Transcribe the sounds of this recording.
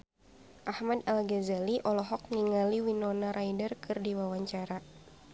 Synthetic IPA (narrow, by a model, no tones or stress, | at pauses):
ʔahmadalɡɛzaliʔɔlɔɦɔk̚niŋaliwinɔnaɾaidərkʰɨrdiwawaɲt͡ʃaɾa